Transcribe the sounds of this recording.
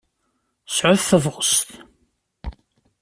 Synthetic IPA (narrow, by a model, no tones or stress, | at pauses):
sʕʊθθəvʁəst̪